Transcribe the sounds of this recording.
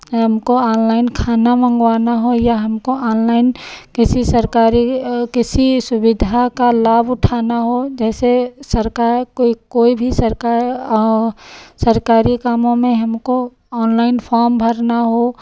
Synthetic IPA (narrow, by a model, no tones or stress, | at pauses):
ɦəmkoaːnlaːɪnkʰaːnamə̃ŋɡwaːnaɦojaɦəmkoaːnlaːɪnkɪsisəɾkaːɾikɪsisʊbɪd̪ʱakalaːbʊʈʰaːnaɦod͡ʒɛːsesəɾkaɾkoikoːibʱisə | səɾkaːɾikaːmõmẽɦəmko | ɔːnlaːɪnpʰɔːɾmbʱəɾnaɦo